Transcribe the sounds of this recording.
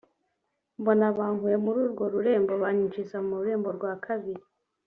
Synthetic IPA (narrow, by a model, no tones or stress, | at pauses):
mbo̞naβaːŋhuje̞muɾuːɾɡo̞ɾuɾe̞ːmboβaɲiɲt͡ʃisamuɾuɾe̞ːmbo̞ɾɡwaːkʰaβiɾi